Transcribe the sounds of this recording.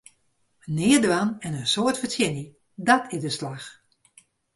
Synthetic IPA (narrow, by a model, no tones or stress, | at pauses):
ənɪədʋanɛnənsoətfətjɪni | dɔtʰɪdəslax